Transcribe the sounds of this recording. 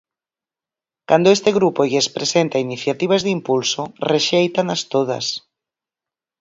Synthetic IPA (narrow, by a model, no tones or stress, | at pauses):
kand̪oest̪eɣɾupoʝespɾesent̪ainiθjat̪iβ̞azðimpulsoreʃejt̪anast̪oð̞a̰s